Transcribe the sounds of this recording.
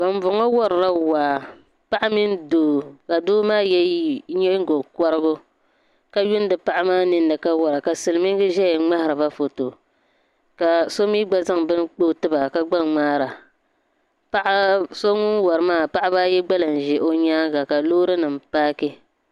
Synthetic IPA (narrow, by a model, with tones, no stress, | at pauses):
ba˨n˦bʊ˨ŋɔ˦wɔ˦ɾɾa˦waː˨ | pa˦ʔa˦mi˦n˦doː˨˦ka˨doː˦maː˦jɛ˦ɲɛ˦ŋ˦ɡo˨kɔ˦ɾɨ˦bʊ˦ | ka˦jʊ˦n˦dɨ˨pa˦ʔa˦maː˦nɨ˦nːɨ˨ka˦wɔ˦ɾa˨ka˨sɨ˨lɨ˦mi˦ŋ˦ɡɨ˦ʒɛ˦jɛ˨ŋ͡ma˦hɪ˨ɾɨ˨ba˦fo˨to˨ | ka˨so˦miː˦ɡ͡ba˦za˦ŋbɨ˦nk͡po˦˨tɨ˦ba˨ka˦ɡ͡ba˦ŋ͡maː˦ɾa˨ | pa˦ʔa˦so˦ŋʊ˦nwɔ˨ɾɨ˨maː˦˨pa˦ʔa˦ba˦jɛ˦ɡ͡ba˦la˨n˨ʒɛ˨ʔo˦ɲaː˦ɡa˨ka˨loː˦ɾɨ˦nɨ˨m˨paː˦kɪ˦